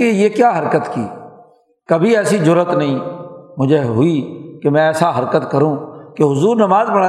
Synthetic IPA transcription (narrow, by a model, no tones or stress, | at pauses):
ejeːkjaːɦəɾkət̪kḭː | kəbʱiɛːsid͡ʒʊɾət̪nəɦĩːmʊd͡ʒʱeɦʊiːkemɛ̃ɛːsaɦəɾkət̪kəɾũːkeɦʊzuːɾnəmaːzpəɽa